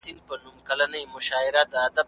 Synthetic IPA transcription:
ilpənumkɐlanəjmʊʃɑɪɾad̪əːd̪ab

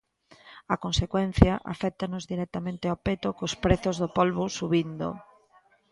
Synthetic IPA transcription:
ɐkonsekwɛn̟θjɐʔa̰fɛk̚t̪anʊzðiɾɛk̚t̪amẽnt̪eawpet̪okospɾeθozðopolβosuβind̪o̰

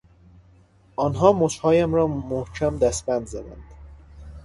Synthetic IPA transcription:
ʔɒːnɦɒːmoʃhɒːjæmɾɒːmohcʰæmd̪æsbænd̪zæd̪æ̰nd̪̥

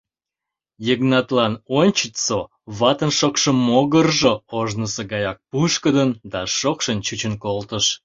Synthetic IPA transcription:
jəɣnɑt̪lɑnonʲt͡ɕət̪so | βɑt̪ənʃokʃəmːoɣərʒooʒnəsəɡɑjɑk̚puʃkəd̪ənd̪ɑʃokʃənt͡ɕut͡ɕənkolt̪əʃ

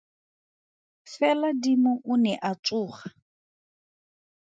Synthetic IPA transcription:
fɛladimʊʔʊnɛʔat͡sʼʊːχa

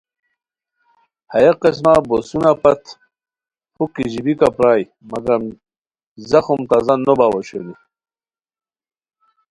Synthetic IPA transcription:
hɐjeqes̬mabosunapɐt̪ | hukiʑibikapɾaːj | mɐɡɐɾm | zɐxumt̪azanːobawoɕḛni

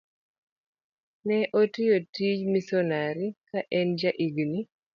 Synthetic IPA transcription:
nɛʔotijotid͡ʒmisɔnaɾikaʔɛnd͡ʒaʔiɡni

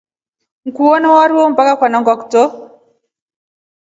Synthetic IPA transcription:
ŋ̩kuwɔnawaɾiwom̩bakakwanɔŋɡɔkto

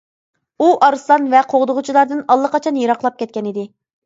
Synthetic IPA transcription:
uʔɑɾɨsˠɑnvɛqʰoʁd̪ʊʁʊt͡ʃʰilˠɑɾd̪ɨnɑlˠːəqɑt͡ʃʰɑnjeɾɑqlˠɑp̚kʲʰɛt̪̚kʲɛnɪd̪ɪ

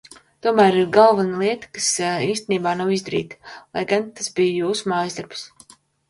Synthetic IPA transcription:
t̪uɔmæːɾiɾɡalˠvanlˠiɛt̪ḁkasiːst̪eniːbaːnawizd̪aɾḭːt̪ḁlˠa̰jɡant̪asbijjuːsumaːjzd̪aɾbs

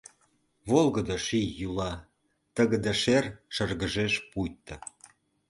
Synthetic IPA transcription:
βolɣəd̪ə̆ʃijːulɑ | t̪əɣə̆d̪əʃerʃə̆rɣəʒeʃpujt̪ːə̆

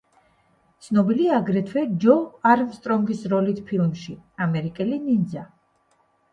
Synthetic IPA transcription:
t̪sʰnɔbiliaːɡɾɛt̪ʰwɛd͡ʒɔaɾmst̪ʼɾɔŋɡisɾɔlit̪ʰpʰilˠmʃiamɛɾikʼɛlinind̪za

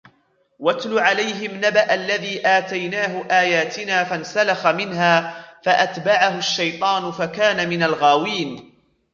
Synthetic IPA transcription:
wat̪lʊʕalajɦɪmnabaʔalːaðiːʔaːt̪ajnaːɦʊʔaːjaːt̪ɪnaːfansalaxamɪnɦaːfaʔat̪baʕahʊʃːajt̪ˤɑːnʊfakaːnamɪnalɣaːwiːn

